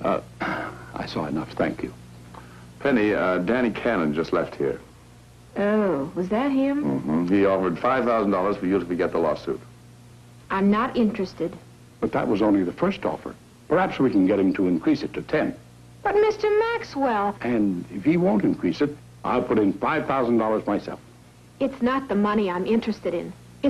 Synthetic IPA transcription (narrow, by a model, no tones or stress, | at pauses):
ʌ̰ | ʔa̰ɪsɔ̰ɨ̰nʌfθæ̰̃ŋkʰjʉ̰ | pʰɛnidæñikʰænɨ̃nd͡ʒʌstˡlɛft̚hḭɹ | oʊwʌzðɨt̚hɪ̃mm̩m̥m̩iɔfə˞d̥faɪv̥θaʊzn̩dɔlˠə˞z̥fə˞jɨɾɨfɨɡɛt̪̚ðəlɔsʉ̰t̚ | ʔãɪ̃mnəɾɪ̃nt͡ʃɹ̥ɨstɨd | b̥ʌt̪̚ðə̰ʔ̚wʌzõʊ̃nliðəfɜ˞stɔ̰fə̰˞ | pʰə˞hæpswikɨ̃n̩ɡɛt̚hɨ̃mtʰəɨ̃nkʰɹ̥isɨtʰɨtʰɛ̃n | b̥ʌt̚mɪstə˞mækswɛlˠʔɨ̃nɪfhiwõʊ̃ntɨ̃nkʰɹ̥isɨɾ | ʔa̰ɪlˠpʰʊɾɨ̃nfaɪv̥θaʊz̃n̩dɔlˠə˞zmaɪsɛ̰lˠf | ɨtsnət̪̚ðəmʌniãɪ̃mɪ̃nt͡ʃɹ̥ɨstɨɾɪ̰̃n | ɨ